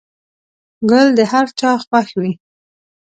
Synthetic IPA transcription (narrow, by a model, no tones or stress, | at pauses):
ɡəld̪əhaɾt͡ʃɑxwaxwi